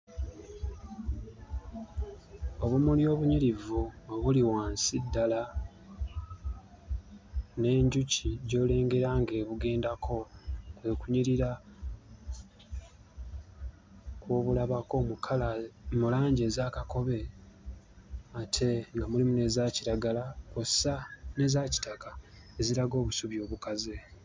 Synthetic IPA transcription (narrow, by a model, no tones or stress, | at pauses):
o̞βumuljo̞ːβuɲiɾivuoβuliwaːnsidːala | ne̞ːɲɟuciɟo̞ːle̞ːŋɡe̞ɾaŋɡe̞ːβuɡe̞ːndakʰo̞kwekuɲiɾiɾa | kwoːβulaβako̞ːmukʰalamulaːɲɟe̞ːzaːkako̞βe̞ | atʰe̞ŋɡamulimune̞ːzaːciɾaɡalakusane̞ːzaːci̥taka | e̞ziɾaɡo̞ːβusuβjo̞ːβukaze